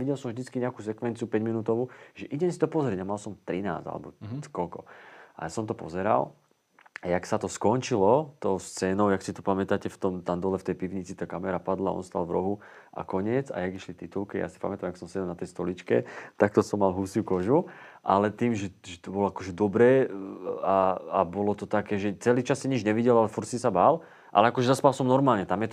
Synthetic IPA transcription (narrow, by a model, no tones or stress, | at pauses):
iɟɛlsɔ̃mvʒd̪it͡skiɲɛakuːs̬ɛkʋɛnt͡siupɛɟminut̪ɔʋuːʒɛʔiɟɛnsi̥t̪ɔpɔzɾɛɟamalsɔmt̪ɾina̰ːd͡za̰lɛ̰bɔ̰kɔlkɔʔa̰asɔmt̪ɔpɔ̰zɛɾa̰l | ajaksat̪ɔskɔnt͡ʃilɔt̪ɔʊst͡sɛːnɔʊjaksit̪ɔpamɛt̪acɛft̪ɔmt̪and̪ɔlɛft̪ɛjpiʋɲit͡sit̪aːkamɛɾapad̪laɔ̰nst̪a̰lvɾɔɦuʔa̰kɔɲɪɛt͡sa̰jaɡiʃlit̪it̪ulkija̰ːsi̥pa̰mɛt̪amjaksɔmsɛɟɛlnat̪ɛjst̪ɔlit͡ʃkɛ̰t̪ak̚t̪ɔsɔmːalɦusukɔʒuʔalɛt̪iːmʒɛʒɛt̪ɔbɔlɔakɔʒɛd̪ɔbɾɛː | aabɔlɔt̪ɔt̪akɛːʒɛt͡sɛliːt͡ʃasːiɲid͡ʒɲɛʋiɟɛlalɛfuɾt̪sisabal | ʔa̰lɛakɔʒɛzaspalsɔmnɔɾmaːlɲɛt̪amjɛt̪